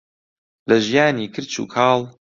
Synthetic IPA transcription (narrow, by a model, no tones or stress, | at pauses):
lɐʒijaːniːkʰɨɾt͡ʃṵːkʰɑːlˠ